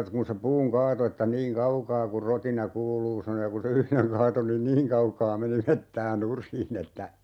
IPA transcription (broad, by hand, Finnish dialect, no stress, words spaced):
e kun̞ se puːŋ kɑːto etːæ niːŋ kɑukɑː kur rotinɑ kuːluː sɑno jɑ kun̞ se yhleŋ kɑːto nin niːŋ kɑukɑː meni metːæː nurˑiːn etːæ